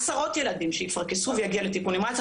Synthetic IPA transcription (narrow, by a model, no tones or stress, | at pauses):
saʁo̞t̪jelad̪imʃejifaʁkesuvejaɡialet̪ikunimat̪